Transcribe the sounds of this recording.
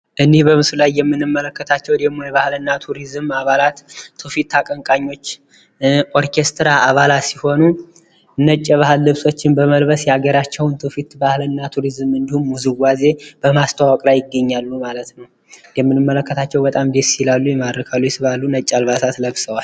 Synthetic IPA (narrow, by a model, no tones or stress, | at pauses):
ʔɨnːehbəmɨsulajːɛmːɨnɨmːələkːət̪ʰat͡ʃːɛwd̪emojɛβahlɨnːat̪ʰuɾizɨmaβalat̪ːʰufit̪ːakʼəŋkʼaɲːo̞t͡ʃː | ʔo̞ɾkʰe̞st̪ɾaʔaβalat̪siho̞nu | nət͡ʃʼːəβahɨlːɨβso̞t͡ʃːɪnbəməlbəsjɛaɡəɾat͡ʃːɛwnt̪ʰɨfit̪bahlɨnːat̪ʰuɾizɨmɨnd̪ihumːuzɨɡʷaze̞b̥əmast̪ʰawɔkʼlajɪɡːəɲːalːumalət̪nəw | jɛmːɨnːɨmːələkːət̪ʰat͡ʃːɛwbət̪ʼamd̪essilalːujɛmad̪ɾəkʰalːujɛsɨβalːunət͡ʃʼːalβasat̪ləβsəwal